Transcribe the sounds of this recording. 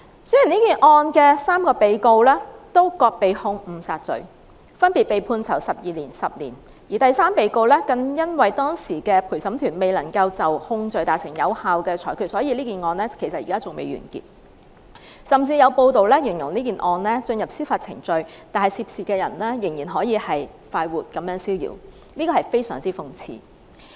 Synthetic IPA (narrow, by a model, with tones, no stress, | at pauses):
sɵ˥jyː˨˩niː˥kiː˨˩nʔɔː˧nkɛː˧saː˥mkɔː˧pe˨˧jko˧wlɛː˥t̪o˥wkɔː˧k̚pe˨jhʊ˧ŋm̩˨˧˩saː˧t̚t͡sɵ̰˨˧ɥ | fɐ˥npi˨t̚pe˨jpʰuː˧nt͡sʰɐ̰˨˩wsɐ˨p̚jiː˨˧liː˨˩nsɐ˨p̚lḭː˨˩n | jiː˨˩t̪ɐ˨jsaː˥mpe˨˧jko˧wlɛː˥kɐ˧ŋjɐ˥nwɐ˨jt̪ɔː˥ŋsiː˨˩kɛː˧pʰuː˨˩jsɐ˨˥mt̪ʰyː˨˩nme˨jlɐ˨˩ŋkɐ˧wt͡sɐ˨whʊ˧ŋt͡sɵ˧ɥt̪aː˨t̚sɪ˨˩ŋjɐ˨˧whaː˨wkɛː˧t͡ʃʰɔː˨˩jkʰyː˧t̚sɔː˨˥jiː˨˧liː˥kiː˨˩nŋɔː˧nlɛː˥kʰe˨˩jsɐ˨t̚iː˨˩kaː˥t͡sʊ˨ŋmḛ˨˧jɥy̰ː˨˩nkḭ˧˩t̚ | sɐ˨mt͡siː˧jɐ˨˧wpo˧wt̪o˨wlɛː˥jɪ˨˩ŋjʊ˨˩ŋliː˥kiː˨˩nʔɔː˧nlɛː˥t͡sɵ˧njɐ˨p̚siː˥wfaː˧t̚t͡sʰɪ̰˨˩ŋt͡sɵ˧ɥt̪aː˨nhɐ˨jsiː˧p̚siː˨˩kɛː˧jɐ̰˨˩nlɛː˥jɪ˨˩ŋjiː˨˩nɦɔː˨˥jiː˨˧hɐ˨j | faː˧jwuː˨˩t̚kɐ˨˧mjœː˨˥ŋsiː˥wjḭː˨˩w | liː˥kɔː˧hɐ˨˩jfe˥jsœ̰ː˨˩ŋt͡siː˥fʊ˧ŋt͡sʰḭː˨˧